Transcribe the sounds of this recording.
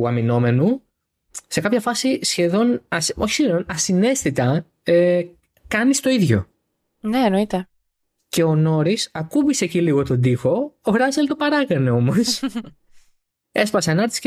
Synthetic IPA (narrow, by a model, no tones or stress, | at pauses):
ɐmino̞me̞nu | se̞kɐpçɐfɐsisçe̞ðo̞nɐsoçi̥sçeðo̞nɐsine̞st̪it̪ɐ | e | kɐnist̪o̞iðʝo̞̰ | neenoit̪e | ce̞ono̞ɾisɐkubise̞ciliɣo̞t̪o̞d̪ixo̞oɾɐselt̪o̞pɐɾɐɣɐneo̞mo̞s | espɐseɐnɐɾt̪is